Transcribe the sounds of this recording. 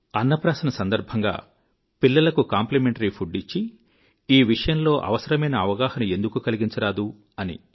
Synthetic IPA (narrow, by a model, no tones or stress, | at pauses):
ɐnːɐpɾaːsɐnɐsɐnd̪ɐɾbʱɐŋɡa̰ː | pilːɐlɐkukaːmplemeɳʈɐɾipʰuɖːit͡ʃːi | iːʋiʂɐjɐmlo̞ːʔɐ̰ʋɐsɐɾɐmɐjnɐːʋɐɡaːhɐnue̞nd̪ukukɐliɡiɲt͡ʃɐɾaːd̪u | ɐnḭ